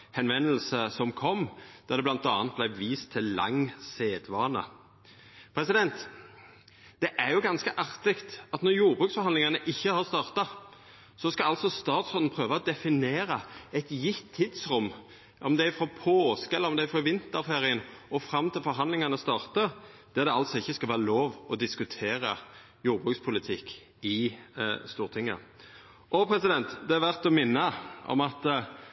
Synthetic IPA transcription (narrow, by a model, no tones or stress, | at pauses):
hɛnʋɛnːəl̩səsɔmkʰɔmːd̪̥ɑd̪ɛblɑnt̪ɑːnt̪̚blæɪʋiːst̪ʰːɪllɑ̰ŋseːd̪ʋɑːnə̰ | pʰɾɛsɪd̪ɛnt̪ | d̪̥ɛʔæɾjʊɡɑnskəʔɑʁt̪ɪkt̪ɑt̪nɔɾjuːɾbʁʉːksfɔɾhɑnlɪŋɑnəʔɪçːəhɑʁst̪ɑːʁt̪ɑ | sɔskɑɑlsɔst̪ɑːt̪sʁɔnn̩pʰɾøːʋɑɔd̪ɛfɪneːɾəɛt̪jɪt̪ʰːɪːd̪sɾʊmː | ɔmd̪ɛæɾɪfɾoːpʰoːskɛlːəɾɔmd̪ɛɾɪfɾoːʋɪnt̪əɾfeːɾɪənɔfɾɑmːt̪ʰɪlfɔɾɦɑnd̪lɪŋɑnəst̪ɑːʁt̪əd̪̥ɛɾd̪ɛɑlt̪sɔɪçːəskɑlʋæːɾəloːʋɔd̪ɪskʉt̪ʰeːɾə | juːɾbʁʉːkspʰʊlɪt̪ʰɪkː | ɪ | st̪uːʁt̪ʰɪŋːə̰ | ʔɔpʰɾɛsɪd̪ɛnt̪d̪ɛæɾʋæʁt̪ɔmɪnːəɔ̰mɑt̪